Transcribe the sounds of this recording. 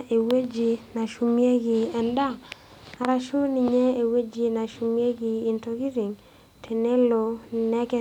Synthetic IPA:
e˨we˦d͡ʒi˨na˨ʃu˨mje˦ɡɪ˨ɛ˨nda˦ | a˨ɾa˦ʃo˦ni˨ɲe˦e˨we˦d͡ʒi˨na˨ʃu˨mje˦ɡiː˨nto˦ɡi˦zi˨ŋ | tʰe˨ne˦lo˨nɛ˦kɛ˦

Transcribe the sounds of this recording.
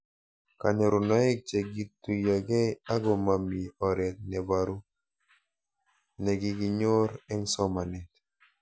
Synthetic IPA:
ka˨nɛ˨ɾʊ˨nɔ˨˦ɛ˦k̚t͡ʃe˨ɡi˦tːu˨ja˨ɡɛ˦a˦ɡɔ˨ma˨mi˨ɔ˨ɾɛ˨t̪̚nɛ˨ba˨ɾu˦ | nɛ˨ɡi˦ɡi˦ɲo˦ɾɛ˦ŋsɔ˦ma˨nɛ˨t

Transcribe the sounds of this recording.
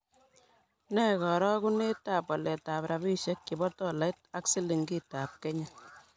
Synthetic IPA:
nɛ˦kɔ˨ɾɔ˦ku˦ne˦ta˨pwa˨lɛ˨ta˨pɾa˨bi˦ʃe˦kki˨bɔ˦tɔ˦la˨˦jt̚a˦ksi˦li˨ŋɡi˦ta˨p̚kɛ˦ɲɛ

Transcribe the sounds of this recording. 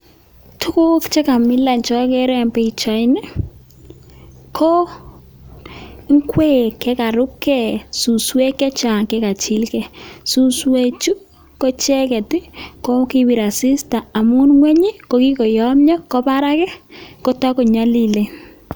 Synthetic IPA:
tʰʊ˦kʊ˦kt͡ʃɛ˦ka˨mɪ˦la˨nt͡ʃɔ˦kɛ˦ɾɛ˨mpɛ˦˨t͡ʃa˨ɪ˦nɛ˦ | kʰɔ˦ | ŋkwe˦kɛ˦ka˨ɾʊ˦kɛ˦˨su˨swe˦kːɛ˦t͡ʃa˨ŋkɛ˦ka˨t͡ʃi˦lkɛ˨su˦swe˦t͡ʃu˦ | ko˦t͡ʃɛ˦kɛ˨ti˦ko˦ki˦bi˨ɾa˨sɪ˦sta˨a˨mu˦nŋwɛ˦ɲi˦ko˦ki˦kɔ˨jɔ˦mɲɔ˦kɔ˦pa˦ɾa˦kɛ˦ko˦ta˦ko˨ɲa˦li˨le˨

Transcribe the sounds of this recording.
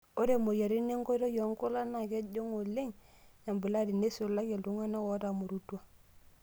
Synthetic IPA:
o˦ɾe˦˨mo˨ja˨ɾi˦ne˦ŋɡo˦ɾo˦jo˨˦ŋku˦la˦na˨ke˦ɟo˦ŋo˨le˦ŋɲa˨mbi˨la˦di˨ne˦so˨la˦ɡe˨ldu˦ŋa˦na˦wo˨˦da˨mu˨ɾu˦tu˦a˦˨

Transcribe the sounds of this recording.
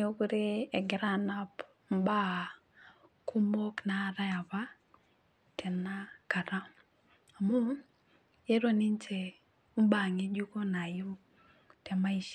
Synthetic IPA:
o˦ku˦ɾe˦ɛ˨ɡɪ˦ɾa˦na˦p | m˦ba˦ | ku˦mo˦kna˨ɾa˦a˨pa˦ | tʰɛ˨na˦ka˨ɾa˦ | a˨mu˦ | je˦ɾo˦ni˦nt͡ʃe˨ | u˦ba˨ŋe˦d͡ʒu˦ko˦na˨ju˦ | tɛ˨ma˦i˦ʃ

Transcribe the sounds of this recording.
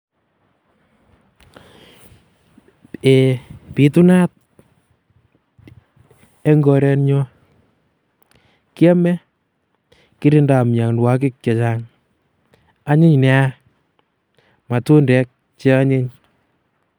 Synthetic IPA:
e˨pi˨tu˦na˦t̚ | ɛ˦ŋɡɔ˨ɾɛ˦nɲɔ˦ | ki˦a˦mɛ˦ | ki˦ɾi˦nda˨mɲa˨ŋnwa˦k̬ɪ˦k̚t͡ʃe˨t͡ʃa˦ŋ | a˦ɲɪ˦ɲnɛ˨˦a˦ | ma˨tu˦ndɛ˦k̚ | t͡ʃe˦a˦ɲe˦ɲ

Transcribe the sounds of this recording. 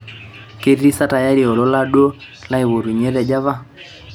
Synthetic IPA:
ke˦ɾi˦sa˦ta˨ja˦ɾi˨ɔ˨lɔ˦la˦ɗo˦ | la˦i˨βo˨ɾu˨ɲe˦ɾɛ˨d͡ʒa˦va˦

